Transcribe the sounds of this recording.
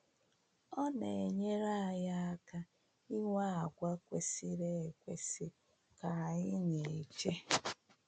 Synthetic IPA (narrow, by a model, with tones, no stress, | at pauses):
ɔ˦ne˨e˨ɲe˦ɾa˦a˨ja˦a˦ka˦ | i˦ŋʷa˦a˨ɡʷa˦kʷe˨si˦ɾe˦e˨kʷe˨si˦ | ka˨i˦ɲe˨t͡ʃe˦